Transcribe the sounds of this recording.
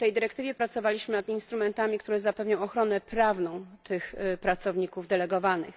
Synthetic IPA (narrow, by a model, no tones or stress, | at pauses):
t̪ɛjd̪ɘɾɛkt̪ɘvʲjɛpɾat̪sɔvalʲiɕmɘnad̪inst̪ɾumɛnt̪amʲik̚t̪uɾɛzapɛvɲɔ̃w̃ɔxɾɔnɛpɾavnɔ̃w̃t̪ʰɘxpɾat̪sɔvɲikuvd̪ɛlɛɡɔvanɘ̰x